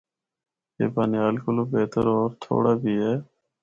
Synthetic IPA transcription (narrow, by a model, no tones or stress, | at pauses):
ḛːpaːnɪjaːlkʊloːbeːt̪əɾɔːɾt̪ʰo̰ːɽaːbʱiːɦɛː